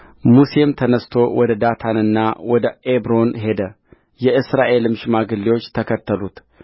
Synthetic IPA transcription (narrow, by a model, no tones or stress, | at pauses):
muse̞mt̪ʰənəst̪ʰo̞wɔd̪əd̪at̪ʰanɨnːawɔd̪əʔebɾo̞nɦe̞d̪ə | jɛɨsɾaʔe̞lɨmʃmaɡɨlːiwo̞t͡ʃːt̪ʰəkʰət̪ʰːəlut̪